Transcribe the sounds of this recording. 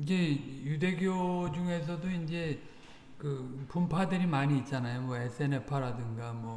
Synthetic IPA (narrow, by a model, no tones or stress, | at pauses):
ind͡ʑe̞jude̞ɡjod͡ʑuŋe̞s̬ʰʌdoind͡ʑe̞ | kɯpumpʰadɯɾimaɲiːt̚t͡ɕ͈anajomwʌesʰɯe̞ne̞pʰaɾadɯŋɡamwʌ